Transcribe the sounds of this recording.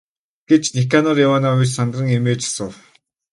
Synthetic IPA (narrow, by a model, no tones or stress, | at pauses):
ɡ̥et͡ɕnekanɔrjawaːnaːʊjt͡ɕsant̪rə̆ŋemeːt͡ɕḁsə̆w